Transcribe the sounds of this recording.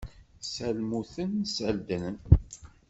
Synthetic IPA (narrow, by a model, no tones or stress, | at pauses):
sælmuθənsəld̪ənən